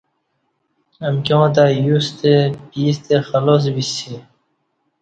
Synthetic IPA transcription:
əmkõːt̪ajust̪epiːst̪exɐloːs̬bisi

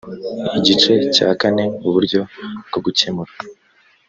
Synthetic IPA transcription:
iɟit͡ʃe̞ca̰ːkane̞uβuɾɟo̞bɡ̥o̞ɡucemuɾa

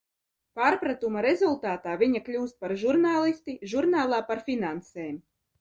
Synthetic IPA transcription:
paːɾpɾat̪umaɾezulˠt̪aːt̪aːvʲiɲaklʲuːst̪̚paɾʒuɾnaːlˠist̪iʒuɾnaːlˠaːpaɾfʲinanseːm

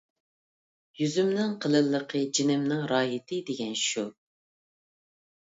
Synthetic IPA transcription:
jyzymnɪŋqʰəlˠɨlˠːəqʰəd͡ʒinɪmnɨŋɾɑːɦɪt̪ʰɪd̪eɡʲɛnʃu

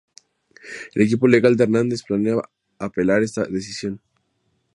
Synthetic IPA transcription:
ḛle̞kipo̞le̞ɣald̪eɾnãnd̪e̞splanea | ape̞laɾe̞st̪a̰ðe̞sisjo̞n

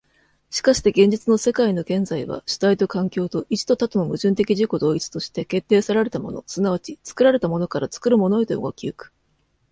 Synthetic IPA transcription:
ɕi̥kaɕi̥t̪e̞ɡẽ̞ɲ̟d͡ʑit͡sɨno̞se̞kaino̞ɡẽ̞nd͡zaiβa̰ɕɨ̥t̪ait̪o̞kãŋkʲo̞ːt̪o̞ʔid͡ʑi̥t̪o̞t̪at̪ono̞mɯ̟ʑɨ̃nt̪̬e̞kʲiʑiko̞d̪o̞ːit͡sɨ̥t̪o̞ɕi̥t̪e̞ke̞t̪ːe̞ːsaɾaɾe̞t̪amo̞̰no̞̰sɨnaβ̞at͡ɕit͡sɨ̥kɯ̟ɾaɾe̞t̪amo̞no̞kaɾat͡sɨ̥kɯ̟ɾɯ̟mo̞no̞it̪oo̰ɡo̰kʲiɯkɯ̥

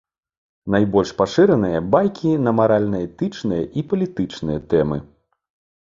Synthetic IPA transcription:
najbɔlʲʂpaʂɨɾɐnɨjɐbajkʲʰinɐmaɾalʲnɐjɐt̪ɨt͡ʂnɨjɐʔipɐlʲit̪ɨt͡ʂnɨjɐt̪ɛmɨ

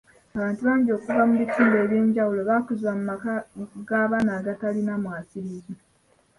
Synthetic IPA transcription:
aβaːntuβaːɲɟo̞ːkuvamuβitiːmbe̞ːβje̞ːɲɟawulo̞βakuzwamumakaɡaːβaːnaːɡatalinamwaːsiɾizi

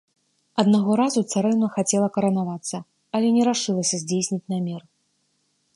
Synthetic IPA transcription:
ɐd̪naɣɔɾazut̪saɾɛnɐxat͡sʲɛlˠɐkɐɾɐnavat̪sːɐ | ɐlʲɛnʲɛɾaʂɨlˠɐsʲɐzʲd͡zʲejsʲnʲit͡sʲnamʲɛr

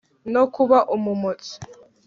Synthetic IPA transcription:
nokuβaʔumumot͡si̥

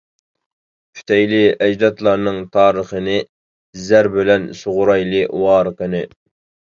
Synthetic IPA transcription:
pʰy̥t̪ʰɛjlɪɛd͡ʒd̪ɑt̪lˠɑɾnɨŋt̪ʰɑːɾəχənɨ | zæɾbɪlɛnsʊʁʊɾɑjlˠɨwɑːɾəqənɨ

